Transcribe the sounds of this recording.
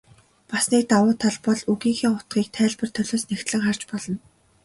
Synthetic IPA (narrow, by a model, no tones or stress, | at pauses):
pasniːk̚t̪awʊːt̪ʰaɮpɔɮuɣiːŋxiːʊt̪̚ɢiːk̚t̪ʰæːɮpə̆r̥t̪ʰœɮoːsnext̪ɮɘ̆ŋχar̥t͡ɕpɔɮɞ̆n